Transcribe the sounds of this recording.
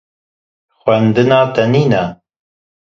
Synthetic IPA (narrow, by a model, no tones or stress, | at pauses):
xwʷɛnd̪ɨnɑːt̪ɛniːnɛ